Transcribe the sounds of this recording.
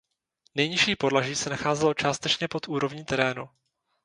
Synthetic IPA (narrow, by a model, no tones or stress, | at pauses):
nɛjɲɪʃiːpo̞dlaʒiːsɛnaxaːzɛlo̞t͡ʃaːst̪ɛt͡ʃɲɛpo̞t̪ʔuːɾo̞vɲiːt̪ɛɾɛːnu